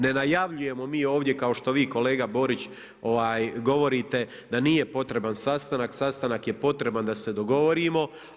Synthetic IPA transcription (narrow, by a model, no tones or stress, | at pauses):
ne̞najaʋʎuje̞mo̞miːo̞ːʋd̪je̞kao̞ʃt̪o̞ʋiːko̞le̞ːɡabo̞ɾit͡ɕ | o̞ʋaːjɡo̞ʋo̞ɾiːt̪e̞ | d̪aniːje̞po̞t̪ɾe̞bansast̪anaksast̪anakje̞po̞t̪ɾe̞band̪ase̞d̪o̞ɡo̞ʋo̞ɾimo̞